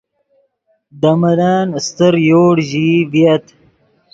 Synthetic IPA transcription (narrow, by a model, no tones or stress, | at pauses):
d̪amɐlaːnst̪əɾjoːɽʑivjɐt̪